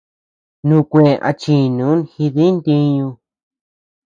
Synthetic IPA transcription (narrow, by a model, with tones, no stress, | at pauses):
nũ˦˧˨kʷẽ˨ʔa̰˧t͡ʃi˧˨nũ˨˦nxi˧ði˦nt̪ĩ˧˦ɲũ˧